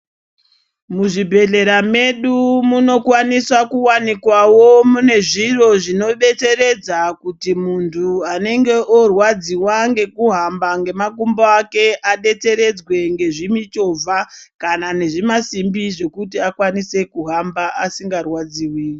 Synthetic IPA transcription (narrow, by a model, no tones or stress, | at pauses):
muʐibʱe̞ɮe̞ɾame̞ɗumuno̞kwaniswakuwanikwawo̞mune̞ʐiro̞ʐino̞ɓe̞t͡se̞ɾe̞d͡zakutimuntʰuane̞ŋɡe̞ʔorwad͡ziwaŋɡe̞kuɦambaŋɡe̞makumbaake̞ʔaɗe̞t͡se̞ɾe̞d͡zwe̞ŋɡe̞ʐimit͡ʃo̞vʱakanane̞ʐimasimbiʐe̞kut̬iakwanise̞kuɦambaʔasiŋɡarwad͡ziwiːi